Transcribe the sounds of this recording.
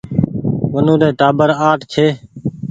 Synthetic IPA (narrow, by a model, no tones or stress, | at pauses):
ʋənũːd̪eːt̪aːbəɾaːʈʰt͡ʃʰeː